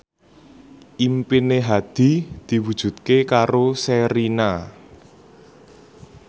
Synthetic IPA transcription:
ʔimpineɦad̪̥i̤d̪̥i̤wud̥ʒ̥ṳt̪̚kekaɾosɛɾina

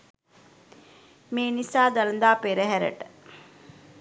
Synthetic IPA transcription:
meːnisaːd̪alənd̪aːpeɾəɦæɾə̰ʈə

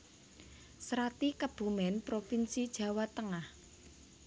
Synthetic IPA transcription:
sɾat̪ikəb̥umɛnpɾofinsid̥ʒ̥ä̤wat̪əŋah

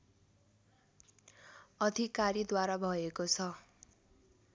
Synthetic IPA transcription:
ʌd̪ʱikaɾid̪waɾabʱʌekot͡sʰʌ

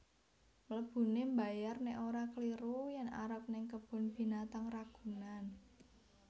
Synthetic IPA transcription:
mələb̥ṳnemba̤jarnɛʔoɾakəliɾujana̰ɾəp̚nɪŋkəb̥ɔ̤nb̥i̤nat̪aŋraɡ̥ṳnan

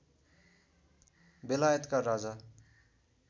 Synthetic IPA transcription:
belajʌt̪kaɾad͡za

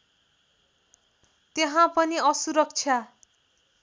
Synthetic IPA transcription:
t̪eɦãpʌniʌsuɾʌk̚t͡sʰja

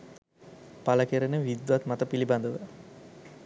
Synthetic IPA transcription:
paləkeɾənəʋid̪ʋat̪mat̪əpiliband̪əʋə

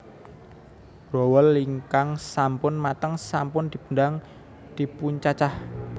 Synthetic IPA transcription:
rowɔlːiŋkaŋsampʊnmat̪əŋsampʊnd̪̥i̤b̥ṳndaŋ | d̪̥i̤puɲt͡ʃat͡ʃah

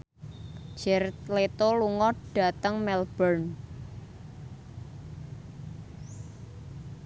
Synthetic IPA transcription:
d͡ʒ̥ɛrlet̪oluŋɔɖ̥a̤t̪əŋmɛlb̥ərn

